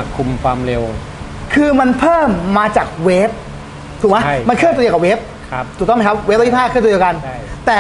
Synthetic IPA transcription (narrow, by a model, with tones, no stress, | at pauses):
kʰu˧mkʰwaː˧mɾe˧w | kʰɯː˧ma˧npʰɤː˥˩mːaː˧t͡ɕaː˨˩k̚weː˦˥p̚ | t̪ʰuː˨˩kma˦˥ma˧kʰɯ˥˩t̪ːi˧ka˨˩we˦˥p̚ | k̚ʰt̪ʰu˨˩tɔ˥˩ma˦˥˩kʰa˦˥p̚we˦˥p̪̚ːi˥˩aː˥˩kʰɯː˥˩˧dka˧n˥t̪ɛː˨˩